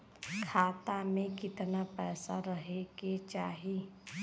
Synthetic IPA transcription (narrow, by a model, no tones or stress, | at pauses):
kʰaːt̪amẽkɪt̪napɛːsaɾɐɦeɡet͡ʃaːɦi